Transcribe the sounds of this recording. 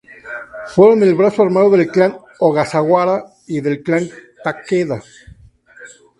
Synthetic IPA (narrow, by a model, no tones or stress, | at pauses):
fweɾonelβɾasoaɾmaðoðelklan | oɣasaɣwaɾa | iðelklant̪akeða